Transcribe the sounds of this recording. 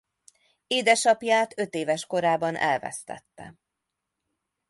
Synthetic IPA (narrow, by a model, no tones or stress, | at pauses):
eːd̪ɛʃɒpjaːt̪ø̞t̪eːvɛʃko̞ɾaːbɒnʔɛ̰lvɛ̰st̪ɛ̰t̪ːɛ̰